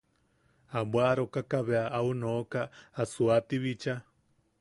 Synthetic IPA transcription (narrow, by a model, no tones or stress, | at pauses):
abwaɾokakaβeaʔaunokaːsuat̪iβit͡ʃa